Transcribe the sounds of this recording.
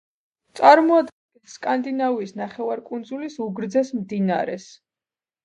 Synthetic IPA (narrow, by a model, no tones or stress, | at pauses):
t̪sʼaɾmɔad̪ɡɛiskʼand̪inavisnaχɛvaɾkʼund̪zulisuɡɾd̪zɛsmd̪ina̰ɾɛ̰s